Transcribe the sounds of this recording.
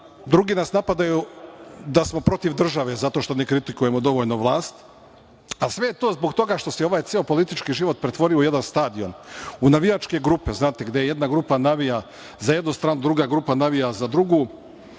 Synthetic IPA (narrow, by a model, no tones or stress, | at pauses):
d̪ɾuɡiːnasnapad̪ajud̪asmo̞pɾo̞t̪iʋd̪r̩ʒaʋe̞zat̪o̞ʃt̪o̞nekɾit̪ikuje̞mod̪o̞ʋo̞ːʎnoʋlˠaːst̪ | asʋe̞jet̪oːzbo̞ɡt̪o̞ɡaʃt̪o̞sɛo̞ʋaːjt̪sieopo̞lit̪it͡ʃkiʒiʋo̞t̪̚pɾet̪ʋo̞ɾioje̞d̪anst̪aːd̪io̞̰nunaʋijat͡ʃke̞ɡɾupe̞znaːt̪eɡd̪ejeje̞d̪naɡɾupanaʋija | zaje̞d̪nust̪ɾaːnud̪ɾuɡaɡɾupanaʋijazad̪ɾuɡu